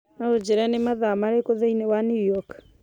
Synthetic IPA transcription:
naod͡ʒeɾanemaðamaɾekoðeinewanujɔk

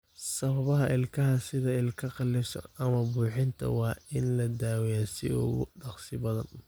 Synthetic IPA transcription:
sɐβɐβɐɦɐʔɪlkʰɐɦɐsɪðɐɪlkʰɐqɑlɪfsɐ̰nɐmɐbuːħɪnt̪ʰɐ̰wɑːɪnlɐd̪aːwɛjasɪ̰ʊ̰ɣʊ̰ɖɑqsɪbɐðɐ̰n

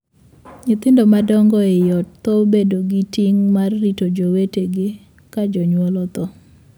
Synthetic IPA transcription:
ɲɪt̪ɪndɔmadɔŋɡɔɛjɔt̚t̪ɔbedoɡitiŋmarːitod͡ʒoweteɡɪ | kad͡ʒɔɲwɔlɔt̪ɔ

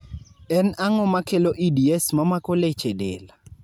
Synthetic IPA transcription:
ɛnaŋɔmakeloʔidiɛsmamakɔlet͡ʃedḛla

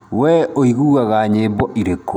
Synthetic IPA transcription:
wɛoiɣuːɣaɣaɲeːbɔʔiɾeko

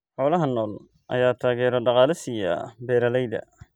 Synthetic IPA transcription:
ħɔːlɐɦɐnːɔːl | ʔɐ̰jaːt̪ʰaːɣɛːɾɔɖɑqɑːlɪsɪjɐ̰bɛːɾɐlɛjðɐ̰

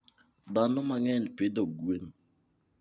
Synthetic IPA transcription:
danomaŋɛnpedoɡuen

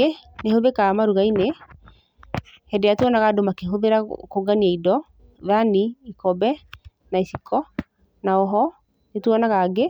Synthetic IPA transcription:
enehoðekamaɾuɣaine | hɛdejatwɔnaɣadomakeɦoðeɾakoɡaniaidɔ | ðaniːkɔbɛ | naisikʰɔ | naɔɦɔ | netuɔnaɣaɡe

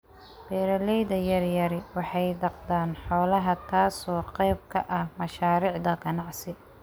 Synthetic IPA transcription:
b̥ɛːɾɐlɛjðɐjɐrjɐɾɪwɑħɑjd̪ɑqd̪aːnħɔːlɐɦɐt̪ʰaːsɔːqɛjbkʰɐʔɐhmɐʃaːɾiːʕd̪ɐɡɐnɑʕsɪ

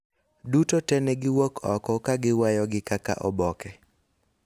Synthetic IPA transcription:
dutotɛnɛɡɪwokʰɔkɔkaɡɪwajɔɡɪkaka̰ʔɔbɔkɛ

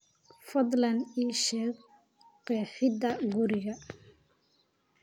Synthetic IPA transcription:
fɐd̪lɐniːʃɛːɡ | qɛːħɪd̪ɐɡʊɾɪɣɐ

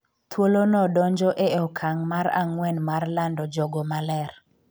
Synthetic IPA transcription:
t̪wolonɔdɔɲd͡ʒɔʔeɔkʰaŋmaɾa̰ŋwɛnmarlandɔd͡ʒɔɡɔmalɛr

